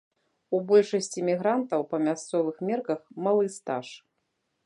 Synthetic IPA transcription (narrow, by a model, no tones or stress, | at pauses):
ubɔlʲʂɐsʲt͡sʲimʲiɣɾant̪ɐwpɐmʲast̪sɔvɨxmʲɛrkɐxmalˠɨst̪a̰ʂ